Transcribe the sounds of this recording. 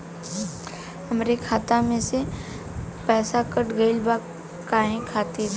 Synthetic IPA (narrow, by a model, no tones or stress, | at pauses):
ɦɐmɾekʰaːt̪amẽse | pɛːsakəʈɡəɪlba | kaːẽkʰaːt̪e